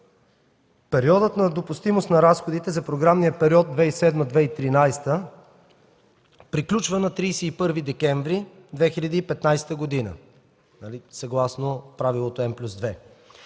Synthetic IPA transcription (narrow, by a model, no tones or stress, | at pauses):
pɛɾiɔd̪ət̪nɐd̪opʊst̪imost̪nɐɾasxod̪it̪ɛzɐpɾoɡɾamnijəpɛɾʲiɔd̪̚d̪vɛisɛd̪məd̪vɛit̪ɾinajst̪ə | pɾiklʲut͡ʃvənɐt̪ɾiːsɛipɤɾvid̪ɛkɛɱvɾi | d̪vɛxilʲɐd̪iːpɛt̪najsɛ̥t̪əɡod̪inə̰ | nɐlisɐɡlˠasnopɾavilˠot̪oɛmplʲuzd̪vɛ